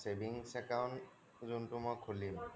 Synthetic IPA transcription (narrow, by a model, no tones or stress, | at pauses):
sebʱiŋsɛkaʊn | zuntʊmɔjkʰulim